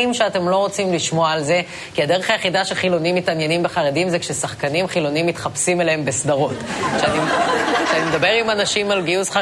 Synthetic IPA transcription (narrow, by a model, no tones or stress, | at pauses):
imʃeate̞mlo̞ʁo̞t͡simliʃmo̞aːlze̞ | kiad̪e̞ʁeχajeχidaʃeχilo̞nimːitanje̞nimbeχaʁedimzekʃe̞saχkanimχilo̞niimːitχapsimelehembe̞sd̪aʁo̞tʃeanikʃeanimed̪abe̞ʁimanaʃimalɡiusχa